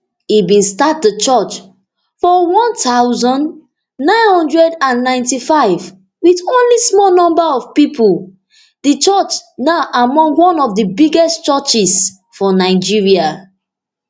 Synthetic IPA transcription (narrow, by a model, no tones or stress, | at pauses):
ibĩnstat̚dət͡ʃɔt͡ʃ | fɔwɔ̃ntʰaʊzɔ̃n | nãɪ̃nhɔ̃ndɹɛdãnːãɪ̃ntifaɪv | widõnlismɔlnɔ̃mbəɔv̥pipʰul | dət͡ʃɔt͡ʃnaʊʔamɔ̃ŋɡwɔ̃nɔvdəbiɡɛstt͡ʃɔt͡ʃis | fɔnaɪd͡ʒiɹia